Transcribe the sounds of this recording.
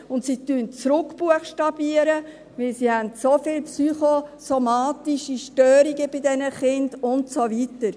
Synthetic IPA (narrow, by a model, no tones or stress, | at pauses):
ʊntsitynt͡sɾʊkb̥uəχʃtɑb̥iəɾə | ʋɪlsihɛntsofɪːlpsyχosomɑːtiʃiʃtøːɾiɡəbɪdɛnəχɪnd̥ʊntsoʋitəɾ